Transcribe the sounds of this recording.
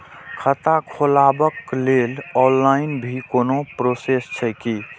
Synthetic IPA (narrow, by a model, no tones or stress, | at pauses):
kʰət̪akʰolabəklelɔlːainbʱikonopɾosest͡ʃʰəjki